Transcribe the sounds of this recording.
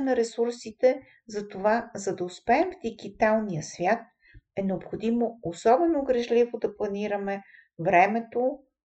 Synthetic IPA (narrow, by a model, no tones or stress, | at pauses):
nɐɾɛsuɾsit̪ɛ | zɐt̪ovazɐd̪ɐʊspɛːmvd̪iɡit̪alˠnijəsvʲjat̪̚ | ɛnɛopxod̪imoosɔbɛnoɡɾɛʒlivod̪ɐplˠɐniɾəmɛ | vɾɛmɛt̪o